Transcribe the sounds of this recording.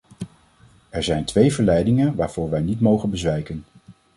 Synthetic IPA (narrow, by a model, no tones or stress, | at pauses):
ɛɹzɛjntʋejvəɹlɛjdɪŋənʋaːɹv̥ʊːɹʋɛjnitmowχənbəzʋɛjkən